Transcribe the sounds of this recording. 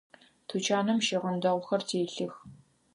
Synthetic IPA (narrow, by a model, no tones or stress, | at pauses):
tʰut͡ʃʰaːnɨmʃiːʁəndɐʁʷxɐrtʰeːɬɨx